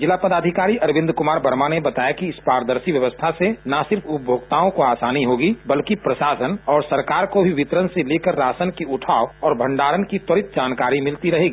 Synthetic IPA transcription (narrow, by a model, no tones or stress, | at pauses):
d͡ʒɪlapəd̪aːd̪ʱɪkaːɾiʔɐɾbɪ̃nd̪kʊmaːɾbʱəɾmanebɐt̪aːjakiɪspaːɾəd̪əɾsiʋjɐʋəst̪ʰasenasɪɾfʰʊp̚bʱoːɡt̪aːõkoaːsaːniɦoːɡibɐlkipɾəʃaːsənɔːɾsɐɾkaːɾkobʱiʋɪt̪ɾənseleːkəɾːaːsənkiʊʈʰaːoɔːɾbʱə̃ɳɖaːɾənkit̪ɔɾɪt̪̚d͡ʒaːnkaːɾimɪlt̪iɾɐɦeːɡi